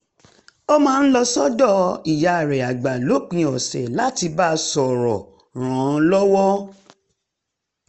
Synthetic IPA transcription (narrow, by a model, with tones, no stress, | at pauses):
o˧mãː˦n̩˦lɔ˧sɔ˦dɔ˦i˨ja˧˨ɾɛ˨a˨ɡ͡ba˨lo˨˦k͡pĩ˧ɔ˨sɛ˨la˦ti˧ba˦sɔ˨ɾɔ̰˨ | ɾ̃ã˨˧lɔ˦wɔ˦